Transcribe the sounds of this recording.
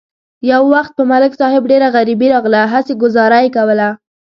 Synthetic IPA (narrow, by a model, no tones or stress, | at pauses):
jawːaxt̪̚pəmalɪksɑhɪbɖeɾaɣaɾibiɾɑɣlaɦaseɡʊzɑɾajekawəla